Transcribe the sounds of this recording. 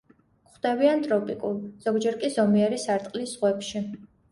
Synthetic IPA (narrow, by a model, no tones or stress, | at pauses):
kχd̪ɛviant̪ʼɾɔpʼikʼṵlˠz̥ɔɡd͡ʒɛɾkʼizɔmiɛɾisaɾt̪ʼqʼlisz̥ʁwɛpʃi